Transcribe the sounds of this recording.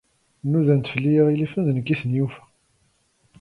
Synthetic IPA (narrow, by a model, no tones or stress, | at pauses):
nːuðænt̪fəlːijiʁilifənðənəkːiθənjufæ